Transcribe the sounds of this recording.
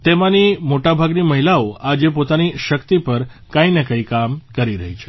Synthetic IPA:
t̪emãnimoʈabʱaɡniməɦilaoad͡ʒep̬ot̪aniʃəkt̪ipəɾkãinekəikamkəɾiɾə̰ɦit͡ʃʰe̥

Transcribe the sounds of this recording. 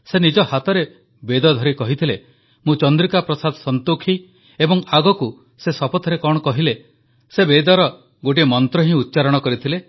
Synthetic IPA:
senid͡ʒɔhat̪ɔɾe | bed̪ɔd̪ʱɔɾikɔɦit̪ʰile | mũt͡ʃɔnd̪ɾikapɾɔsad̪ʱɔsɔnt̪ukʰi | ebɔŋaɡɔku | sesɔpɔt̪ʰɔɾekɔɽɔkɔɦile | sebed̪ɔɾɔ | ɡoʈ̬imɔnt̪ɾɔɦĩut̪ːt͡ʃaɾɔɽ̃ɔkɔɾit̪ʰile

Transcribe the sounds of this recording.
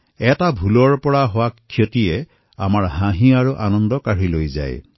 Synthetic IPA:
ɛtabʱulɔɹpɔɹaɦʊwakʰːjotiɛ | amaɹɦãɦĩaɹuʔanɔndɔkaɹilojza̰j

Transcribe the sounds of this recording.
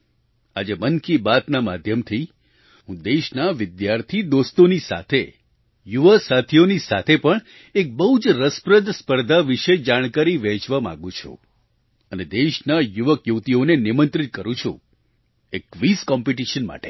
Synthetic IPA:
a̰d͡ʒemənkibat̪namad̪ʱjəmt̪ʰi | ɦũd̪eʃnaʋɪd̪jaɾt̪ʰid̪ost̪onisa̰t̪ʰe | juʋəsat̪ʰijonisa̰t̪ʰepəɳ | ek̚bəɦud͡ʒɾəspɾəd̪ʱspəɾd̪ʱaʋiʃed͡ʒaɽ̃kaɾiʋɛ̃t͡ʃʋamã̰ɡũt͡ʃʰṵ̃ | əned̪eʃnajuʋəkjut̪ionenɪmənt̪ɾit̪̚kəɾũt͡ʃʰṵ̃ | ekʋiskɔmpiʈiʃənma̰ʈe̥

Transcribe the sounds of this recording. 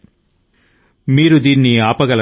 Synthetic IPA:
miːɾud̪iːnːiaːpɐɡɐlɐ

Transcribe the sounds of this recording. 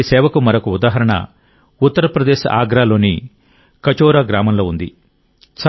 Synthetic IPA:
isɛːʋɐkumɐɾɐkuud̪aːɦɐɾɐɳɐ̰ | ut̪ːɐɾɐpɾɐd̪eːʃa̰ːɡɾaːlo̞ːni | kɐt͡ʃoːɾaːɡɾaːmɐmlo̞ːund̪ḭ | t͡ʃ

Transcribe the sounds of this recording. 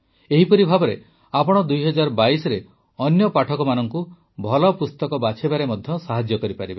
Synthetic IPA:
eɦipɔɾibʱabɔɾe | apɔɽ̃ɔd̪ujɦɔd͡ʒaɾɔbaisɔɾe | ɔnjɔpaʈʰɔkɔmanɔŋku | bʱɔlɔpust̪ɔkɔbat͡ʃʰebaɾemɔd̪ʱjɔsaɦad͡ʒjɔkɔɾipaɾibe

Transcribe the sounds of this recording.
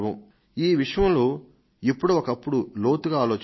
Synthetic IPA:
ʋɐm | iːʋiʂɐjɐmloː | ipːuɽuɔkɐpːuɽulo̞ːt̪uɡaaːlo̞ːt͡ʃ

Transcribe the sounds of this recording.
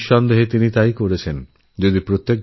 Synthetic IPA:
ʃɔnd̪eɦet̪init̪aijkoɾet͡ɕʰen | d͡ʑod̪ipɾot̪ːek̚

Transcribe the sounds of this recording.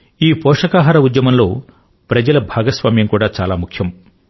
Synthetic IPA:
iːpɔːʂɐkaːɦaːɾɐud̪jɐmɐmlo̞ː | pɾɐd͡ʒɐlɐbʱaːɡɐsʋaːmjɐŋkuːɽaːt͡ʃaːlaːmukʰjɐm

